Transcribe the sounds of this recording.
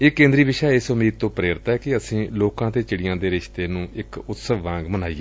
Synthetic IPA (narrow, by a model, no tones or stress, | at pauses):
eːkẽːnd̪ɾiːʋɪʃaːɪsʊmiːd̪̚t̪õːpɾeːɾɪt̪ɛːkɪəsĩːloːkãːt̪eːt͡ʃɪɽɪjãːd̪eːɾɪʃt̪eːnũːʔɪkʊt̪səʋʋãːŋɡmənaːḭ